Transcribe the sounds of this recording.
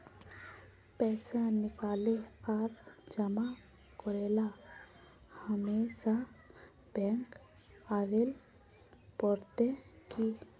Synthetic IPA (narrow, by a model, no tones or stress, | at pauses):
pɛːsanɪkaːleaːɾd͡ʒəma | kɔɾeːla | həmeːsa | b̥ɛ̃ŋk | aːʋel | pɔɾt̪eki